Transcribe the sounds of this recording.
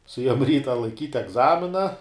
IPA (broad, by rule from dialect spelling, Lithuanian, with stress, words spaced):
sʊˈeːjoːm ˈrʲiːtɐ lˠɐɪˈkʲiːtʲ ɛɡˈzɑːmʲɪnɐ